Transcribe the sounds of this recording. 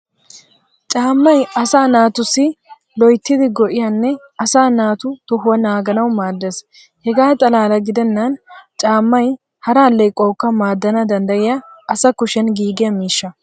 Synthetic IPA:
t͡ʃʼaːmːɐjɐsaːnaːt̪ʊsɪ | lɔjt̪ːɪd̪ɪɡɔʔɪjɐnːɛ | ɐsaːnaːt̪ʊt̪ɔhʊwɐnaːɡɐnɐwmaːd̪ːɛs | hɛɡaːt̪ʼɐlaːlɐɡɪd̪ɛnːɐnt͡ʃʼaːmːɐj | hɐɾaːlːɛjkʼɔːkːɐmaːd̪ːɐnɐd̪ɐnd̪ɐʔɪjɐʔɐsɐkʊʃɛnɡiːɡɪjɐmiːʃːɐ

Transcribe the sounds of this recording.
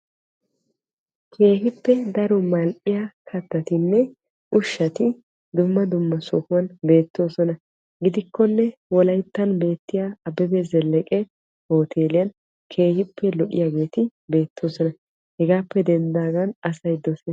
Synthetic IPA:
kʰe̞ːɦɪpːɛd̪ɐɾɔmɐlʔʼɪjakʰɐt̪ːɐt̪ɪnːɛ | ʔʊʃːɐt̪ɪ | d̪ʊmːɐd̪ʊmːɐsɔhʊwɐnbe̞ːt̪ːo̞ːsɔnɐ | ɡɪd̪ɪkːɔnːɛwɔlɐjt̪ːɐnbe̞ːt̪ːɪjaɐbɛbezɛlɛkʼɛ | ho̞ːt̪ʰe̞ːlɪjɐn | kʰe̞ːhɪpːɛlɔʔɪ̰jaːɡe̞ːt̪ɪbe̞ːt̪ʰːo̞ːsɔnɐ | hɛɡaːpːɛd̪ɛnd̪aːɡɐnɐsɐjd̪ɔseː

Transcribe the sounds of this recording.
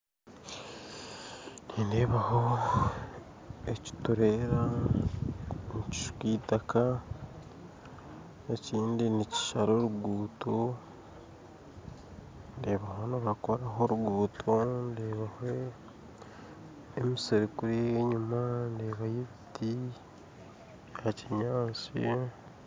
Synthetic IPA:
niːndeːβaho̞ | eci̥tuɾe̞ɾa | nici̥ʃu̥kiːtaka | eciːndinici̥ʃaɾo̞ɾuɡuːto | ndeːβaɦo̞niβakoɾaɦo̞ɾuɡuːtʰondeːβahe | miseɾikuɾiɲumandeːβajeiti | haciɲaːt͡sḭ

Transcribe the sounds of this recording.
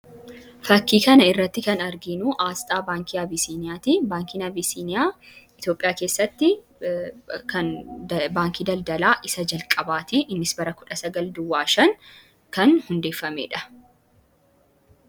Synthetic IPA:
fɐkːiːkɐnɐɪrːɐt̪ːɪkɐnɐɾɡɪnuːʔaːst̪ʼaːbaːŋkiɐbiːsiːnɪjaːt̪ibaːŋkiːnɐbisiːnɪjaːɪt̪jo̞ːpʼɪjaːke̞ːsːɐt̪ːɪ | kɐnbaːŋkiːd̪ɐld̪ɐlaːʔɪsɐd͡ʒɐlkʼɐbaːt̪ɪʔɪnːɪsbɐɾɐkʊᶑɐsɐɡɐld̪ʊwːaːʃɐŋ | kɐnhʊnd̪e̞ːfːɐmeːᶑɐ̥

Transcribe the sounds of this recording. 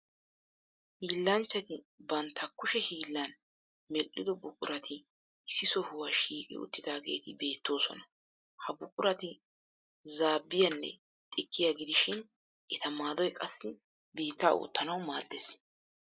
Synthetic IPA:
hiːlːɐnt͡ʃːɐt̪ɪ | bɐnt̪ʰːɐkːʊʃɛhiːlːɐn | mɛlːɪd̪ɔbʊkʼʊ̰ɾɐt̪ʰɪ | ɪsːɪsɔhʊwɐʃiːkʼɪ̰ʊ̰t̪ːɪd̪aːɡe̞̰ːt̪ɪbe̞ːt̪ːo̞ːsɔ̰nɐ | hɐbʊkʼʊɾɐt̪ɪ | zaːbːɪjɐnːɛ̰ | t̪ʼɪkʰːɪjaɡɪd̪ɪʃɪn | ʔɛt̪ɐmaːd̪ɔjkʼɐsːɪ | biːt̪ːa̰ːʔʊ̰ːt̪ːɐnɐwmaːd̪ːɛs

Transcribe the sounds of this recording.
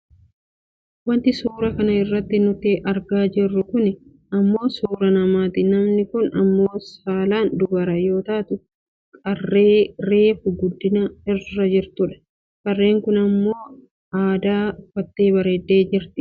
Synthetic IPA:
wɐnt̪ɪsuːɾɐkɐnɐɪrːɐt̪ːɪnʊt̪ːɪɐɾɡaːd͡ʒɪrːʊkʊnɪ | ɐmːo̞ːsuːɾɐnɐmaːt̪ɪnɐmnɪkʊnɐmːo̞ːsaːlaːnd̪ʊbɐɾɐjo̞ːt̪aːt̪ʊ | kʼɐrːeːɾe̞ːfʊɡʊd̪ːɪnɐɪrːɐd͡ʒɪɾt̪ʊᶑɐ̥ | kʼɐrːe̞ːŋkʊnɐmːo̞ː | aːd̪aːfɐt̪ːeːbɐɾeːd̪ːe̞ːd͡ʒɪɾt̪ɪ̥

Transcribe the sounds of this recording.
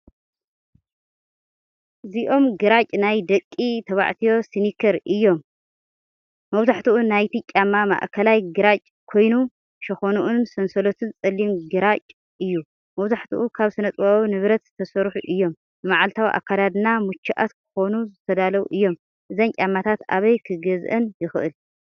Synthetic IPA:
ʔɨziʔo̞mɡɨɾat͡ʃʼnajd̪ɐkʼːit̪ʰɐβa̰ʕt̪ʰijo̞sinikʰɐɾʔɨjːo̞m | mɐβzaħt̪ʰuʔunajt̪ʰicʲʼamːama̰ʔkʰɐlajɡɨɾat͡ʃʼ | kʰo̞jnu | ʃɐxonuʔunsɐnsɐlot̪ʰɨnt͡sʼɐlːimɡɨɾat͡ʃʼ | ɨjːu | mɐβzaħt̪ʰuʔukʰaβsɨnɐt̪ʼɨβawinɨβɾɐt̪zɨt̪ʰɐsɐɾħuʔɨjːo̞m | nɨmaʕalt̪ʰawʔa̰kʰːad̪ad̪ɨnamut͡ʃːiʔa̰t̪kʰɨ̥xo̞nuzɨt̪ʰɐd̪alɐwṵʔɨjːo̞m | ʔɨzɐnkʲʼamːat̪ʰat̪a̰βɐjkʰɨɡɐzʔɐnjɪxɨʔɨl

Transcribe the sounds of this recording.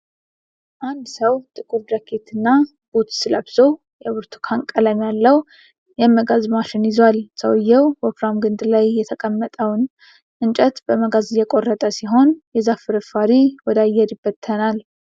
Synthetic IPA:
ʔand̪səwt̪ʼɨkʼuɾd̪akʰet̪ʰɨnːa | b̥ot̪sɨləbzow | jɛβɨɾt̪ʰu̥kʰaŋkʼələjmjalːəw | jɛməɡazmaʃɪnjɪzwalsəwɨjːɛwopɾamɡɨnd̪lajːɛt̪ʰəkʼəmːət̪ʼəwn | ʔɨnt͡ʃʼɛt̪bəməɡazɨjɛkʼo̞rːət̪ʼəsiɦo̞njɛzafɨɾɨfaɾiwɔd̪ajɛɾjɪbːət̪ʰːənal

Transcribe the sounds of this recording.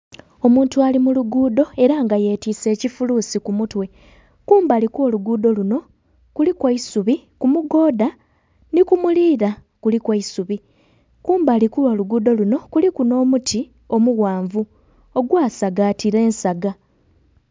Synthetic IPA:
o̞muːntualimuluɡuːdo̞e̞ɾaŋɡaje̞ːtise̞ːcifuluːsikumutwe̞ | kuːmbalikuo̞luɡuːdo̞luno̞ | kulikwaisuβikumuɡo̞ːda | nikumuliːɾa | kulikwaisuβi | kuːmbalikuo̞luɡuːdo̞luno̞kulikuno̞ːmutʰi | o̞muɣaːɱvu | o̞ɡwaːsaɡaːtʰiɾe̞ːnsaɡa

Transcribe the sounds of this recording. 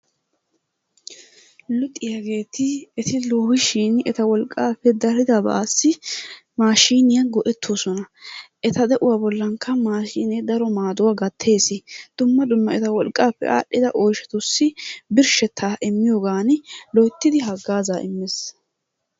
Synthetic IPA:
lʊt̪ʼːɪjɐɡe̞ːt̪ɪɛt̪ɪloːhɪʃinɛt̪ɐwɔlkʼːaːpːɛd̪ɐɾɪd̪ɐbɐ̰aːsːɪmaːʃiːnɪjɐɡɔʔɛt̪ʰːoːsɔnɐʔɛt̪ɐd̪ɛʔʊwaːbɔlːɐŋkʰːɐmaːʃiːned̪ɐɾɔmaːd̪ʊwaɡɐt̪ʰːe̞ːsɪd̪̥ʊmːɐd̪ʊmːɐɛt̪ɐwɔlkʼːaːpːɛ̰ʔa̰ːʔɪd̪ɐʔoːjʃɛt̪ʊsːɪbɪɾʃɛt̪ʰːaːʔɪmːɪjoɡaːnɪlɔjt̪ːɪd̪ɪɦɐɡːaːzaːʔɪ̰mːɪs

